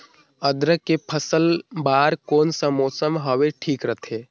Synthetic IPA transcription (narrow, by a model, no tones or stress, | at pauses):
əd̪ɾəkepʰəsəlbaːɾkoːnsamoːsəmɦəʋeʈʰiːkɾət̪ʰeː